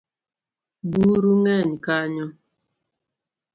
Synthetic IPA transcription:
buɾuŋɛɲkaɲɔ

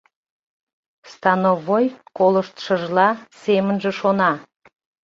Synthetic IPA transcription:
st̪ɑnovojkoləʃt̪ʃəʒlɑsemənʒĕʃonɑ

